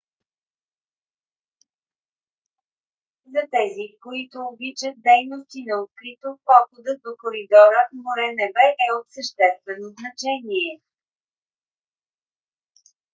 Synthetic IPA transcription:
zɐt̪ɛzikoit̪ʊːbit͡ʃət̪̚d̪ɛjnost̪inɐot̪̚kɾit̪opɔxod̪əd̪okoɾid̪ɔɾəmoɾɛnɛbɛʔɛot̪səʃt̪ɛst̪vɛnoznɐt͡ʃɛniɛ

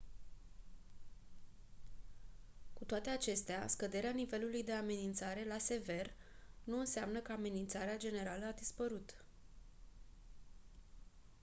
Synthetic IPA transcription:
kut̪oat̪e̞at͡ʃe̞st̪ea̰skəd̪e̞ɾeanive̞lulujd̪e̞ame̞nint̪saɾe̞lase̞ve̞rnuɨnseamnəkəame̞nint̪saɾead͡ʒe̞ne̞ɾaləad̪ispəɾut̪

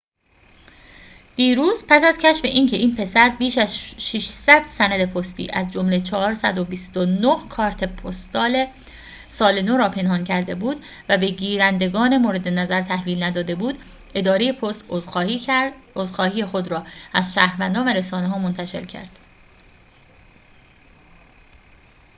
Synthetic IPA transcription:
d̪̥iːɾuːzpʰæsæzcʰæʃfe̞ʔiːncʰe̞ʔiːnpʰe̞sæɾbiːʃæzʃiʃsæd̪̥sænæd̪e̞pʰost̪ḭːʔæzd͡ʒomlet͡ʃʰɒːɦɒːɾsæd̪obist̪onohkʰɒːɾt̪ʰe̞pʰost̪ɒːle | sɒːle̞noɾɒːpʰe̞nhɒːncʰæɾd̪e̞buːd̪ | væbe̞ɟiːɾænd̪e̞ɡɒːnemoːɾe̞d̪e̞næzæɾt̪ʰæhviːlnæd̪ɒːd̪e̞buːd̪ | e̞d̪ɒːɾe̞je̞pʰost̪ | ozxɒːhiːjexod̪ɾɒːæzʃæːhɾvænd̪ɒːnvæɾesɒːneɦɒːmont̪ʰæʃe̞ɾcʰæ̰ɾd̪̥

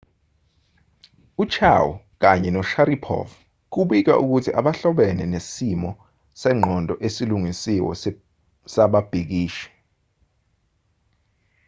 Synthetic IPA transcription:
ut͡ʃʰa̰wṵ | k̬aɲɛnɔʃaɾipʰɔ̰v | k̬uɓik̬a̰ʔuk̬utʰiʔaɓaɬɔɓɛnɛnesimɔ | sɛːŋ͡ǃʱɔndʱʼɔʔesiluŋisiwɔ̰ | saɓab̥ʱik̬iːʃɛ̥

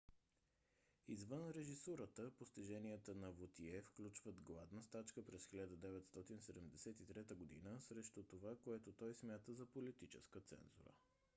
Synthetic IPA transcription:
izvənɾɛʒisuɾət̪əpost̪iʒɛniət̪ənɐvot̪iɛfklʲut͡ʃvəd̪ɡlˠad̪nəst̪at͡ʃkəpɾɛsxilʲad̪əd̪ɛvɛt̪st̪ɔt̪insɛd̪ɛmd̪ɛsɛt̪it̪ɾɛt̪əɡod̪ḭnəsɾɛʃt̪ʊt̪ovakoɛt̪ot̪ɔjsmʲjat̪əzɐpolit̪it͡ʃɛ̰skət̪sɛ̰nzṵɾə̰

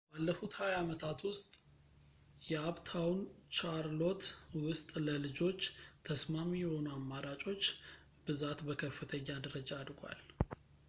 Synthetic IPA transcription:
balːəfut̪hajamət̪ʰat̪wʊst̪ʼ | jɛaβt̪ʰawnt͡ʃaɾlo̞t̪wʊst̪ʼləlɨd͡ʒo̞t͡ʃːt̪ʰəsmamijɛho̞nuamːaɾat͡ʃʼo̞t͡ʃː | bɨzat̪bəkʰəfːɨt̪ʰəɲːad̪əɾəd͡ʒaːd̪ɡʷa̰l

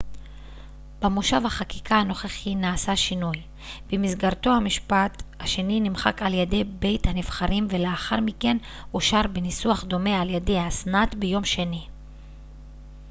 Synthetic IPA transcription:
b̥emuʃavhaχaki̥kʰahano̞χeχinaːsaʃinuj | b̥emisɡaʁt̪o̞hamiʃpathaʃe̞ninimχa̰kaljede̞jbe̞jthanifχaʁimve̞leaχaʁmike̞n | uʃaʁbenisuaχd̪o̞me̞aljede̞jasnat̪bejo̞mʃe̞ni

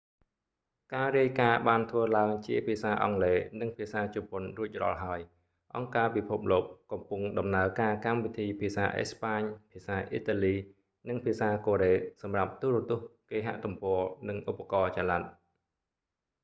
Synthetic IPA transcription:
kaːriəjkaːɓaːnt̪ʰʋəːlaəŋt͡ɕiəpʰiəsaːʔɑ̰ŋleːnɨŋpʰiəsaːt͡ɕʊponruəc̚rɑ̰ːlɦaəj | ʔɑŋkaːpipʰup̚loːk̚kɑmpʊŋɗɑmnaəkaːkamʋit̪ʰiːpʰiəsa̰ːʔḛːspaːɲpʰiəsaːʔiːt̪aliː | nɨŋpʰiəsaːkoːɾeːsɑmrap̚t̪uːɾʊ̆t̪ʊ̆əhkeːɦa̰ʔt̪umpɔənɨŋʔupːakɑːt͡ɕalat̪̚

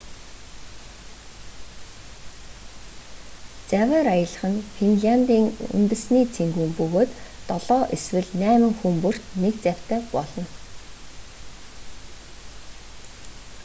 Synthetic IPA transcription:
t͡sæwəːɾajə̆ɮə̆χə̆nfinɮant̪iːŋṵnt̪ɘ̆sniːt͡sʰeŋɡuːmpɵɣoːt̪ːɔɮɔːʔeswɘ̆ɮnæːmɘ̆ŋxumpur̥t̪nekt͡sæw̥ʲt̪ʰæːpɔɮɞ̆n

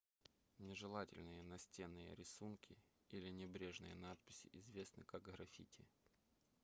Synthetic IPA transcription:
nʲɪʐɨlˠatʲɪ̰lʲnɨjənɐsʲtʲenːɨjə̰ɾʲɪsunkʲɪ | ilʲɪnʲɪbɾʲeʐnɨjənat̪̚pʲɪ̥sʲɪ̰ʔɪzvʲe̞snɨ̰kaɡɣɾɐfʲḭtʲɪ̰

